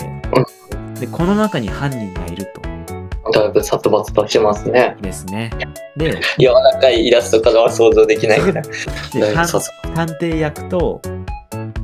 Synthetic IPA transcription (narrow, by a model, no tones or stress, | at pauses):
ɯ̟̃ | d̪e̞kʰo̞no̞nakaɲ̟ihãɲʲːĩŋɡa̰iɾɯ̟t̪o̞̥̰d̪abɯsat̪ːobat͡sɨ̥t̪oɕt̪emasɨne̞d̪e̞sɨne̞d̪e̞jaβaɾakaiːɾasɨ̥t̪o̞kad̪aβaso̞ːzo̞ːd̪e̞kʲinaied̪eãt̪ãnt̪e̞ːjakɯ̟̥t̪o̞